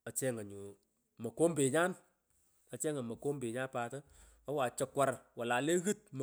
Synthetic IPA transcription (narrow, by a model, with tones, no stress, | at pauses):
a˨t͡ʃɛ˦ŋa˨ɲu˨ | mɐ˨ko˦mbɪ˨ɲa˦n | ɐ˨t͡ʃɛ˦ŋa˨mɐ˨ko˦mbɪ˨ɲa˦npaː˧tɐ˦ | ɐ˦wa˨t͡ʃə˨˦kwa˦ɾwa˨la˨le˦ɣɨ˦t̚m˨